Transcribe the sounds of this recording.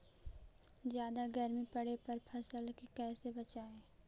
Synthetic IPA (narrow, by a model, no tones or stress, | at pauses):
zjaːd̪aɡɐɾmipɐɽepɐɾpʰɐsəlkikɛːsebɐt͡ʃaːẽː